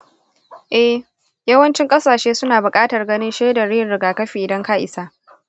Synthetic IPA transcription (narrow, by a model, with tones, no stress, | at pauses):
ʔɛ˦h | jɐ˦wɐ˦nt͡ʃɪ˦ŋkʼɐ˦saː˨ʃeː˦sʊ˦naː˨bʊ˨kʼaː˦tɐ˨rɡɐ˦nɪ˦nʃeː˦da˨ɽiː˦˨nɽɪ˦ɡaː˨kɐ˦ɸiː˨ʔɪ˨dɐ˦ŋka˦ʔɪ̰˨saː˦